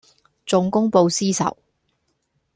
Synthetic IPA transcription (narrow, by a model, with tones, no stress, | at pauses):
t͡sʊ˧ŋkʊ˥ŋpo˧wsiː˥sɐ̰˨˩w